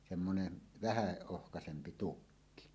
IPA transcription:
semːonen ʋæhæ ohkɑsempi tukːi

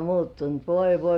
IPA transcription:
muːtːunt ʋoi ʋoi

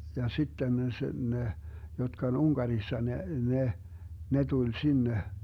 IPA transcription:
jɑ sitːen sĕ ne jotkɑ on uŋkɑrisːɑ ne ne ne tulʲ sinːe

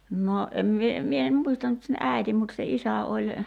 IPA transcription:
no ʔem mie mie em muistɑ nyt sen æˑi̞tim mut se isæ olʲ

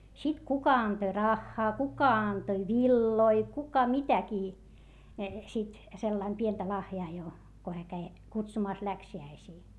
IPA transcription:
sit kukɑ ɑntoĭ rɑxːɑː kukɑ ɑntoĭ ʋilːoi kukɑ mitækiː sit selːɑim pientæ lɑhjɑː jo ko hæː kæi kutsumɑˑs læksiæisiː

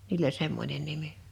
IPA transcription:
niːl olʲ semːonʲen nimi

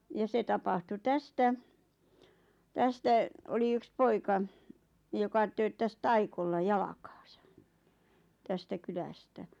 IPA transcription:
jɑ se tɑpɑhtu tæstæ tæstæ oli yks poikɑ jokɑ tøːtːæs tɑikolːɑ jɑlɑkɑ̥ːsɑ̥ tæstæ kylæstæ

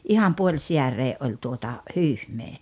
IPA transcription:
ʔihɑm puolʲsiæreːʔ ʔolʲ tuotɑ hyːhmeː

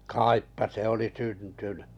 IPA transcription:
kɑˑipːɑ se oli syntynẙ

